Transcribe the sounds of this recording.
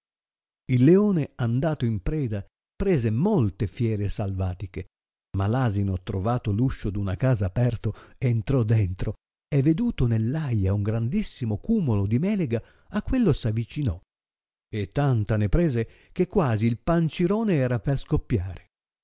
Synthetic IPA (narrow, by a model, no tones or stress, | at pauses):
ilːeoːneand̪aːt̪oimpɾɛːd̪a | pɾeːzemolt̪efjɛːɾesalvaːt̪ike | malaːzinot̪ɾovaːt̪oluʃːod̪unakaːzaːpɛrt̪oeːnt̪ɾɔd̪ɛnt̪ɾo | ɛvːed̪uːt̪onelːajauŋɡɾand̪isːimokuːmolod̪imɛːleɡaː | kːwelːosavːit͡ʃinɔ | et̪ːant̪anepɾɛːze | k̟ekːwaːziːlpant͡ʃiɾoːneɛːɾaperskopːjaːɾe